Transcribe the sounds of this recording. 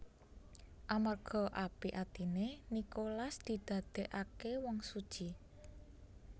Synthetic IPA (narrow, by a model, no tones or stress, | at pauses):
ʔamarɡ̥ɔ̤ʔapiʔat̪inenikolasd̪̥i̤d̪̥ä̤d̪̥e̤ʔakewɔŋsud̥ʒ̥i